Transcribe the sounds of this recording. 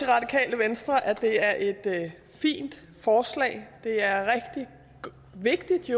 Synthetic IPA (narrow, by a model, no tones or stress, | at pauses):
iʁɑ̈d̥ikʰɛ̰ːləʋensd̥ʁɐʔæd̥e̝æɐʔe̝d̥ | fḭːnd̥ | fɒːslɛ̰ːɪd̥e̝æɐʁɛɡ̥d̥i̥ | ʋe̝ɡ̥̚d̥id̥jo